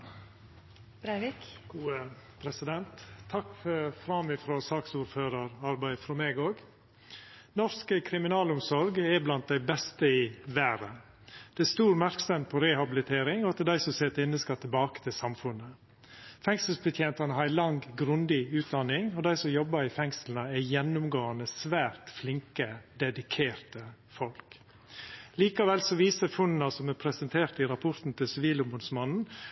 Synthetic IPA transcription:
bɡuəpʰɾɛsɪd̪ɛnt̪ʰːɑkəfɾɑmɪfɾosɑksuːɾføːɾɑɾɑɾbæɪfɾɔmeːɡoːɡ | nɔɾskəkʰɾɪmɪnɑːlʊmsɔɾɡɛblɑnt̪̚d̪æɪbɛst̪əɪʋæːɾə | d̪̥ɛæst̪uːɾmæɾksəmpʰɔɾɛhɑbɪlɪt̪ʰeːɾɪŋɔɑt̪̚d̪ɛd̪æɪsɔseːt̪əɪnːəskɑt̪ʰɪlbɑːkə̥t̪ʰɪlsɑmfʉnə | fɛŋsəlspət̪ʰjeːnt̪ɑnəɦɑɾælɑŋɡɾʉnd̪ɪʉːt̪̚d̪ɑnɪŋɔd̪æɪsɔmjɔbːəɾɪfɛŋsln̩əæjɛnːʊmɡoːɑnəsʋæːɾt̪flɪŋkəd̪ɛd̪ɪkʰeːɾt̪ə | fɔlk | liːkɑʋɛlsɔʋiːsəfʊnnɑsɔmæpʰɾɛsənt̪ʰeːɾt̪ɪɾɑpʰɔɾt̪n̩t̪ʰɪlsɪʋiːlʊmbʊd̪smɑnn̩

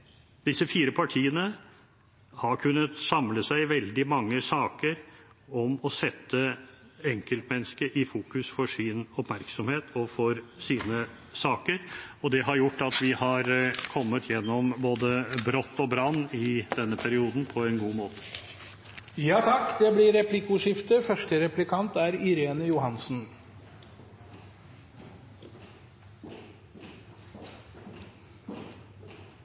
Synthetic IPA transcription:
d̪̥ɪsəfiːɾəpʰɑʈʰiːənə | hɑɾkʰʉnːət̪sɑmləsæɪʋɛld̪ɪmɑŋːəsɑːkəɾ | ɔmɔsɛt̪ːəɛŋkəlt̪mɛnːəskəʔɪfuːkʉsfɔʂɪnɔpmæɾksɔmheːt̪ʰɔfɔɾsiːnə | sɑːkəɾɔd̪ɛɦɑɾjʊʈːɑt̪ʋɪhɑɾkʰɔmːət̪ʰjɛnːɔmboːd̪əbɾɔt̪ːɔbɾɑnːɪd̪̥ɛnːəpʰæɾɪuːd̪n̩pʰɔɛnɡuːmoːt̪ə̥ | jɑːt̪ʰɑkːd̪ɛblɪɾɛplɪkʊʂɪft̪əfœʂʈəɾɛplɪkʰɑnt̪æɾɪɾeːnəjʊhɑnsn̩

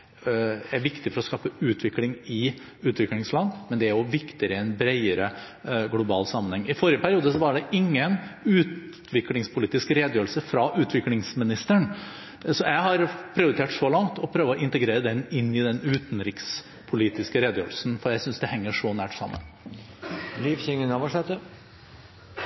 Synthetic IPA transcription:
æɾʋɪkt̪ɪfɔɾɔskɑːpəʉːt̪ʰʋɪklɪŋɪ | ʉːt̪ʋɪklɪŋslɑnmɛnd̪ɛæɾjʊʋɪkt̪ɪəɾəɛɪnbɾeɪəɾə | ɡlʊbɑːlsɑmːənhɛŋːɪfɔɾɪəpʰæɾɪuːd̪əsɔʋɑɖɛɪŋːənʉːt̪ | ʋɪklɪŋspʰʊliːt̪ɪskəɾeːd̪jøːɾlsəfɾɑʔʉːt̪ʰʋɪklɪŋsmɪnɪst̪əɳ | sɔjæɪɦɑɾpʰɾɪʊɾɪt̪ʰeːʈʂɔlɑŋt̪ʰɔpʰɾøːʋəɔʔɪnt̪əɡɾeːɾəd̪ɛnɪnːɪd̪ɛnʉːt̪n̩ɾɪks | pʰʊliːt̪ɪskəɾeːd̪jø̰ːɾlsn̩fɔɾjæɪsʏnsd̪ɛhɛŋːəʂɔnæːʈsɑ̰mːə̰n | liːfçɪŋənɑʋɔʂɛt̪ːə

